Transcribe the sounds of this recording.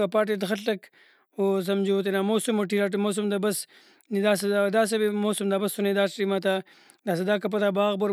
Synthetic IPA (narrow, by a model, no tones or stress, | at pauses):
apaːʈ̬et̪xɐɬɐk | os̬ɐmd͡ʒoːt̪̬enamoːsumoʈ̬iɾaʈ̬moːs̬umd̪abɐs | nid̪aːs̬ed̪ad̪aːs̬ebimoːsumd̪aːbɐsunid̪aːsɾimat̪̬a | d̪aːs̬ed̪aːkɐp̬ɐt̪aːbaːɣboɾ